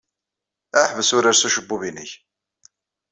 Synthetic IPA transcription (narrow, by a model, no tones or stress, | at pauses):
æħvəsʊɾaɾsuʃəbːuvinəç